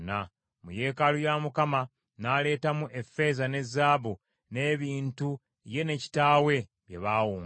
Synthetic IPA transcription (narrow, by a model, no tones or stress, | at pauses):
na | muje̞ːkalujamukama | naːle̞ːtamuʔe̞fe̞zane̞zːaːβu | ne̞ːβiːntu | je̞ne̞ci̥taːwe̞ | βjḛβaːwuːŋ